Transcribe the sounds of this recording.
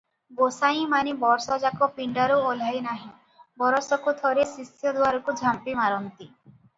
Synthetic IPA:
bosaĩmanibɔɾsɔd͡ʒakɔpiɳɖaɾuɔlajnaɦĩ | bɔɾɔsɔkut̪ʰɔɾesisjɔd̪waɾɔkud͡ʒʱampimaɾɔnt̪i

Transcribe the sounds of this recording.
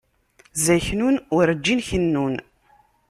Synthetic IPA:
zæçnunʊɾəd͡ʒːinçənːun

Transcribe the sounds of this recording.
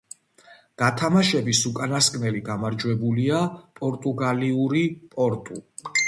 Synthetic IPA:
ɡ̥at̪ʰamaʃɛbisukʼanaskʼnɛliɡamaɾd͡ʒwɛbuliapʼɔɾt̪ʼuɡaliuɾipʼɔɾt̪ʼṵ

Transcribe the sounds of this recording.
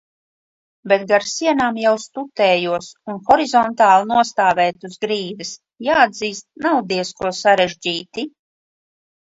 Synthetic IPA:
bet̪ɡaɾsiɛnaːmjawst̪ut̪ɛːjuɔsunxɔɾizɔnt̪aːlˠinuɔst̪aːvɛːt̪uzɡɾiːd̪ɨs | jaːad̪ziːst̪̚nawd̪iɛskuɔsaɾeʒd͡ʑiːt̪i

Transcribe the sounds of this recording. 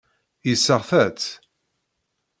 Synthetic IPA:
jisːəʁθæt͡s

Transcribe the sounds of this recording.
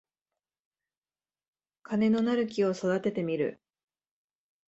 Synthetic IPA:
kʰane̞no̞naɾɯ̟k̬ʲio̞so̞d̪at̪e̞t̪e̞mʲiɾɯ̟̰

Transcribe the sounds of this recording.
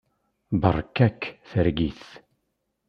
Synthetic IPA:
bə̰rˤːkːækːθəɾɡiθ

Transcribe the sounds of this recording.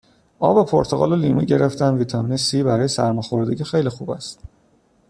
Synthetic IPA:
ʔɒːbepʰoɾt̪ʰoɣɒ̰ːloliːmṵɟe̞ɾe̞ft̪æmviːt̪ʰɒmiːnesiːbæɾɒːjesæ̰ɾmɒːxo̞ɾd̪eɟixe̞jlixuːbæ̰st̪

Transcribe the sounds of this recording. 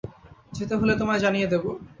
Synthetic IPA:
d͡ʑet̪oɦulet̪omaɾd͡ʑanijed̪ebo

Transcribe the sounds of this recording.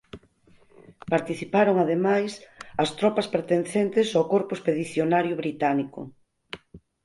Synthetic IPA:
paɾt̪iθipaɾoŋaðemajsɐst̪ɾɔpɐspeɾt̪enθent̪ɪsawkoɾpʊespeðiθjonaɾjʊβɾit̪anikʊ̰

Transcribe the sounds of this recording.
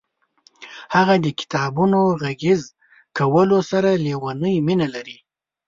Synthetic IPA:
haɣad̪əkɪ̥t̪ɑbunoɣaɡɪz | kawəlosaɾalewanəjminalaɾi

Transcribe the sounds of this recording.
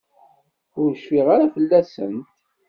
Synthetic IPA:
ʊɾʃfiʁaɾafəlːæsə̰nt̪

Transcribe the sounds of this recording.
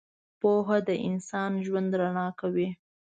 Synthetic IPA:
poɦad̪əʔɪnsɑnʒwand̪ɾanɑkawi

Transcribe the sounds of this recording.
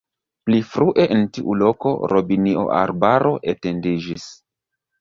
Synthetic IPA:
plifɾuʔe̞ʔentiʔṵlo̞ko̞̰ɾʔo̞biniʔo̰ʔa̰ɾbaɾʔo̞ʔete̞ndid͡ʒis

